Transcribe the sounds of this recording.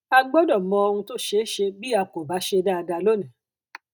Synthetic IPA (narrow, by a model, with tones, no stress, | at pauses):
a˧ɡ͡bɔ˦dɔ˦˨mɔ̃˧o˧hũ˧to˦ʃe˦ʃe˧bi˦a˧ko˨ba˨˦ʃe˧da˦˧da˧lo˦˨nĩ˨˦